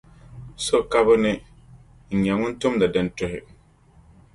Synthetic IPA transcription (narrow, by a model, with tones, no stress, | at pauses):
so˦ka˦bʊ˦nɪ˦ | ŋ̩˨ɲɛ˨ŋʊ˦n˦tʊ˦mda˨dɪ˨ntʊ˦ɦɪ̰˨